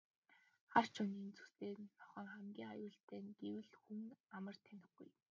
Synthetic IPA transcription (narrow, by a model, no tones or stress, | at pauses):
χar̥t͡ɕʰʊniːnt͡sʰu̥st̪eːnt̪ʰɔ̥χə̆ːŋχæmɡʲiːŋajʊːɬt̪eːŋɡ̥ewɘ̆ɮxuŋamə̆r̥t̪ʰænʲɪ̆xɡṵj